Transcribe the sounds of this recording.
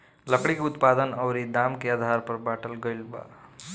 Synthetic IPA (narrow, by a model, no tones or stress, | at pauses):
ləkɽikut̪pad̪ənəwɾid̪amkead̪ʱaɾpəɾbaʈəlɡəjlba̰